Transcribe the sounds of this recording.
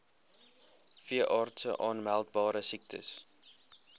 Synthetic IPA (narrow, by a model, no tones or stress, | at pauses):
fiəʔɑːrtsə̰ʔɑːnmælˠtbɑːɾəsik̚tʰə̰s